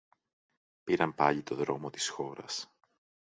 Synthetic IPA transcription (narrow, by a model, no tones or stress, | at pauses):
piɾɐmpɐʎit̪o̞ðɾo̞mot̪i̥sxo̞ɾɐ̰s